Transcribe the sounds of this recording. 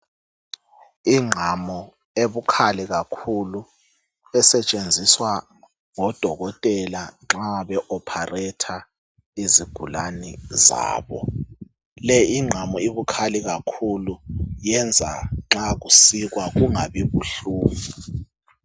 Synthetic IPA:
iŋ͡ǁʱamɔ | eβukʰaliɣakʰulu | ɛsɛt͡ʃʼend͡zʱiswa | ŋɔd̥ʱɔɣɔtʼɛlaŋ͡ǁaɓɛʔɔpʰarɛtʰa | iziɡ̥ʱula̰niza̰ːβɔ̰ | lɛiŋ͡ǁʱamɔiβukʰaliɣakʰulujɛnd͡zʱa̰ŋ͡ǁaɣ̬usiɣ̬waɣ̬uŋaβiβuɬuːmu

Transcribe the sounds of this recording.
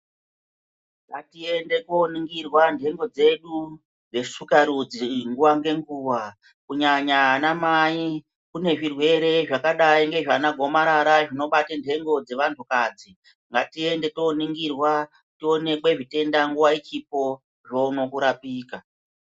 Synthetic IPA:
ŋɡatie̞nde̞koniŋɡirwandʱe̞ŋɡo̞d͡ze̞ɗu | d͡ze̞ʂukaɾud͡ziŋɡuʋaŋɡe̞ŋɡuːʋa | kuɲaɲaɦanamaːi | kune̞ʐirwe̞ɾe̞ʐakaɗaiŋɡe̞ʐanaɡʱo̞maɾaɾaʐino̞ɓatendʱe̞ŋɡo̞d͡ze̞ʋantʰukad͡zi | ŋɡatie̞nde̞to̞niŋɡirwa | tio̞ne̞kwe̞ʐite̞ndaŋɡuʋait͡ʃip̚o̞ | ʐouno̞kuɾapiːka

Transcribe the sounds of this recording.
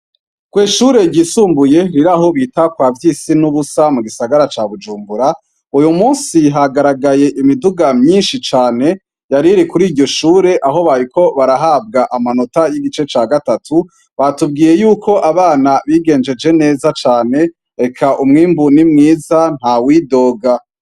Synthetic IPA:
ɡ̥wiːʃuːɾe̞ɟisuːmbuje̞ɾiɾaɦo̞βiːtakwaːvjiːsinuβusamuɡisaɡaɾat͡ʃaβud͡ʒuːmbuɾa | ujumuːnsiɦaɡaɾaɡaje̞ʔimiduɡamɲinʃit͡ʃaːne̞ | jaɾiɾikuɾiːɾɟo̞ʃuːɾe̞ʔaɦo̞βaɾiko̞βaɾaɦaːb̚ɡaʔamano̞tajiɡit͡ʃe̞t͡ʃaːɡatatʰu | βatub̚ɡiːje̞juːko̞ʔaβaːnaβiɡe̞ːnd͡ʒe̞d͡ʒe̞ne̞ːzat͡ʃaːne̞ | ɾe̞kʰaʔumŋiːmbunimŋiːzan̥hawiːdo̞ːɡa

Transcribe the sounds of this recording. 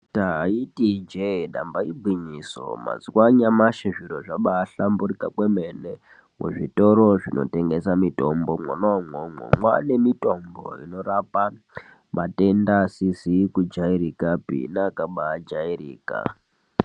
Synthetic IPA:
taɦaitid͡ʒedʱa̰mbaibʱwiɲiso̰ma̰zwaɲamaʃiʐiɾoʐaɓaːɬamburikakwemene | mʔṵʐito̞ɾo̞ʐino̰te̞ŋɡe̞samito̞mbomonaŋomo̰ŋwane̞mito̞mbo̞̰ḭno̞ɾapa | mate̞ndasizikud͡ʒaiɾikapḭnakaɓaːd͡ʒairḭːka̰

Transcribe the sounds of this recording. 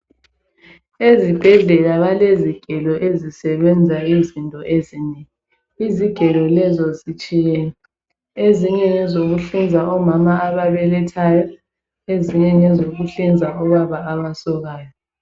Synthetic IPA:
ezib̥ʱɛɮɛlaβaleziɡ̥ʱɛlɔʔezisɛβɛnd͡zʱaizintʼɔʔeziːɲɛ | iziɡ̥ʱɛlɔlɛzɔzit͡ʃʼijɛ | eziɲɛnɛzoɣuɬind͡zʱaʔɔmamaaβaβɛlɛtʰajɔ | eziɲɛnɛzoɣuɬind͡zʱaɔβaβaawasɔɣaːjɔ

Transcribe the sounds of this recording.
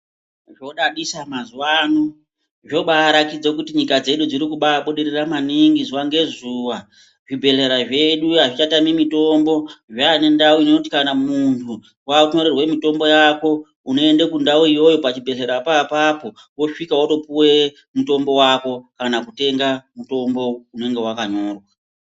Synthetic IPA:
ʐo̞ɗaɗisamazwaːno | ʐo̞ɓaːɾakid͡zokutiɲikad͡ze̞ɗud͡ziɾikuɓaɓoɗeɾeramaniŋɡizuwaŋɡe̞zuwa | ʐibʱe̞ɮe̞ɾaʐe̞ɗuaʐit͡ʃatamimito̞mbo̞ʐaːne̞ndauinoti̥kanamuntʰu | wauɲoɾerwe̞mito̞mbo̞jako̞ | uno̞endekundauijo̞jo̞pat͡ʃibʱe̞ɮe̞ɾapːpapo̞ | wo̞ʂikawato̞puwe̞ | muto̞mbo̞wako̞kanakute̞ŋɡamuto̞mbo̞une̞ŋɡe̞wakaɲo̞ːrwa

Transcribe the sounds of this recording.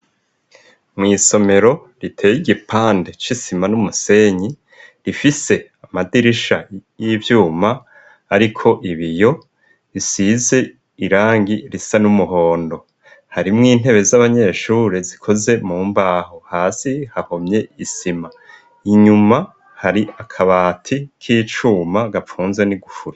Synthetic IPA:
mŋiːso̞me̞ɾo̞ | ɾitʰe̞ːjiɡipaːndet͡ʃisimanumuse̞ɲi | ɾifise̞ | amadiɾiʃajivjuːmaː | ɾikʰo̞ʔiβijo̞ | ɾisize̞ | iɾaːŋɡiɾisanumuɦo̞ːndo̞ | haɾimŋiːn̥e̞βe̞zaβaɲe̞ʃuːɾezikʰo̞ze̞muːmbaːhohaːsihahomɲe̞isima | iɲuma | haɾiakʰaβaːtʰikʰiːt͡ʃuːmaɡafuːnzweniɡufuɾa

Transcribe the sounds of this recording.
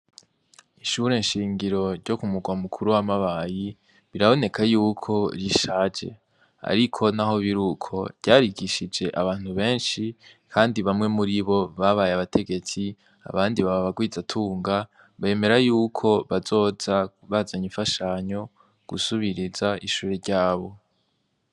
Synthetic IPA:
iʃuɾe̞nʃiːŋɡiɾo̞ɾɟo̞kumuɡwamukʰuɾuwamaβaji | βiɾaβo̞ne̞kʰajuːkʰo̞ɾiʃad͡ʒe̞̰ | a̰ɾikʰo̞naɦo̞βiɾukʰo̞vɟaːɾiɡiʃid͡ʒe̞ʔaβaːn̥huβe̞ːnʃikʰaːndiβamŋe̞muɾiβo̞βaβajaβatʰe̞ɡe̞t͡si | a̰βaːndiβaβaβaɡwiːd͡zatʰuːŋɡa | βe̞ːme̞ɾajuːkʰo̞βazo̞ːz̥a | βazaɲiɱfaʃaɲo̞ | ɡ̥ṵsuβiɾizaʔiʃuːɾeɾɟaːβo̞

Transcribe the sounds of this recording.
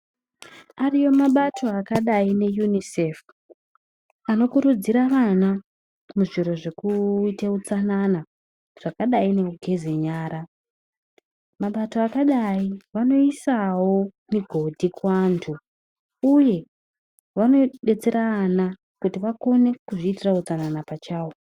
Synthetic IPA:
arijo̞maɓatʰo̞akaɗaine̞junisef | ano̞kuɾud͡ziɾaʋana | muʐiɾo̞ʐe̞kuiteut͡sanana | ʐ̥akaɗaine̞uɡʱe̞ze̞ɲaːɾa | maɓato̞akaɗaiʋano̞isawo̞miɡʱo̞dʱikwaːntʰu | uje̞ | ʋano̞ɗe̞t͡se̞ɾaːna | kutiʋako̞ne̞kuʐitiraut͡sananapat͡ʃaːwo

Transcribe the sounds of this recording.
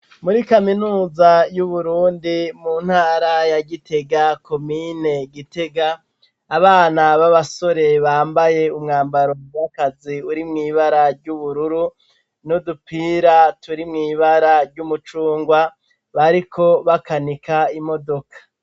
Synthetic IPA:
muɾikaminuːzajuβuɾuːndimun̥haːɾajaɟitʰe̞ɡakʰo̞mine̞ɡite̞ɡaː | βaːnaβaβaso̞ɾe̞βaːmbaje̞umŋaːmbaɾo̞wakaziuɾimŋiːβaɾaɾɟuβuɾuɾu | nudupʰiːɾatuɾimŋiːβaɾaɾɟumut͡ʃuːŋɡwa | βaɾikʰo̞βakanikaimo̞do̞kḁ

